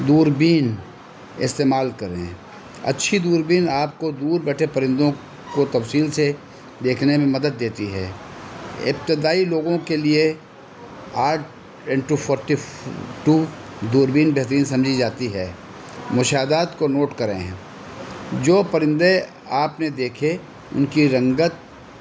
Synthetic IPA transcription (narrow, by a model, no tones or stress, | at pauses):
d̪uːɾbiːn | ɪ̰st̪eːmaːlkɐɾḛ̃ | ɐ̰tːʃʰid̪uːɾbiːnaːp̚kod̪uːɾbɛːʈʰepɐɾɪ̃nd̪õ | kot̪ɐfsiːlse | d̪eːkʰnemẽmɐd̪əd̪ːeːt̪iɦɛ̰ː | ɪ̰p̚t̪ɪd̪aːiloːɡõkelie | aːɾʈ̚ʰ | ɪ̃ɳʈupʰɔːɾʈiʈuːd̪uːɾbiːnbɛɦt̪əɾiːnsɐ̃md͡ʒʱid͡ʒaːt̪iɦɛː | mʊʃaːd̪aːt̪konoːʈkɐɾḛ̃ɦɛ̃ | d͡ʒoːpɐɾɪ̃nd̪e | aːpned̪eːkʰe | ʊ̰nkiɾɐ̃ŋɡət̪̚